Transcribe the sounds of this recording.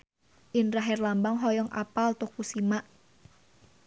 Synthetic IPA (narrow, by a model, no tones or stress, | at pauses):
ʔɪnraɦɛrlambaŋɦɔjɔŋʔa̰palt̪ukusimaʔ